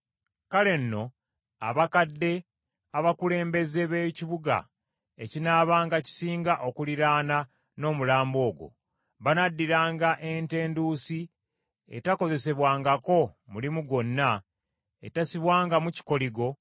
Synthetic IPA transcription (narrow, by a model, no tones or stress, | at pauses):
kale̞nːo̞ | a̰βakadːe̞ | aβakule̞ːmbe̞zeβeciβuɡa̰ | ecinaːβaːŋɡaci̥siːŋɡaʔokuliɾaːna | no̞ːmulaːmbo̞ːɡo̞̰ | βanadːiɾaːŋɡaʔe̞nte̞ːndusi | ḛtako̞ze̞se̞βwaːŋɡako̞mulimuɡo̞nːa | etasiβwaːŋɡamuci̥ko̞liɡo̞